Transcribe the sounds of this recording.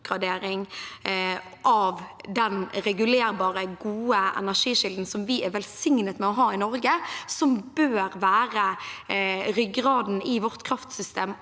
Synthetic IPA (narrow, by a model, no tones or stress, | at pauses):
ɡʁɑd̪eːɾɪŋ | ʔɑʋd̪ɛnɾɛɡʉleːɾbɑːʁəɡuːəʔɛ̰næʂiːʃɪld̪n̩sɔmʋɪʔɛʋɛlsɪŋnət̪mɛɔɦɑːɪnɔɾɡəsɔmbøːɾʋæːʁə | ɾʏɡʁɑːd̪n̩ɪʋɔʁt̪kʰɾɑft̪sʏst̪eːm